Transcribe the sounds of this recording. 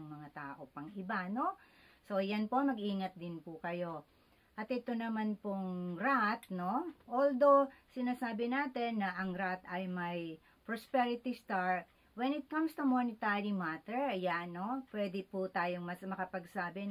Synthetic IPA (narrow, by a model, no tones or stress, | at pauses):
ŋmɐŋat̪aːʔo̞pɐŋʔɪbano̞ | so̞janpo̞mɐɡʔiːŋɐt̪̚d̪ɪnpʊkɐjo̞ | ʔɐt̪ɪt̪o̞nɐmanpoŋɾat̪no̞ʔold̪o̞sɪnaːsaːbɪnaːt̪ɛnːɐʔɐŋɾat̪ɐjmɐj | pɹospɛɹɪt̪ist̪aɹt̪̚ | wɛnɪt̪̚kɐ̃mst̪umonɪt̪aɹimat̪ɛɹɐjanːo̞pwɛd̪ɪput̪aːjoŋmɐsmɐkɐpɐɡsaːbɛ